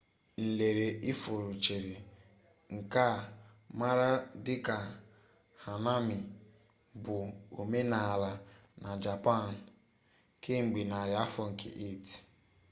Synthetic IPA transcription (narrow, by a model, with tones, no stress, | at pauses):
n̩˨le˨ɾe˨ʔi˦fo˨ɾu˨t͡ʃe˨ɾe˨ | ŋ̩˨ka˦˨ | ma˦ɾa˦dɪ˦ka˨ | ha˨na˦mi˨ | bʊ˨o˨me˦na˨la˨na˨d͡ʒa˨pa˦˨n̩˨ | ke˦ŋ͡m̩˨ɡ͡bi˨na˨ɾja˦fɔ˦ŋ̩˨kḛ˨ʔe˦˨ti̥˨